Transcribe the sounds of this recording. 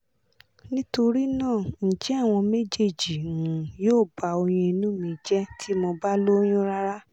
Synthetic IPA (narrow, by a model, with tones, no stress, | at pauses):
nĩ˦to˧ɾi˦nãː˦˨n̩˨d͡ʒɛ˨˦a˦˨w̃ɔ̃˧me˦d͡ʒe˦˨d͡ʒĩ˨joː˦˨ba˧o˧j̃ĩ˧i˧nũ˦mĩ˧˨˦d͡ʒɛ˦tʰi˦mɔ̃˧ba˦lo˦j̃ũ˦ɾa˦ɾa˦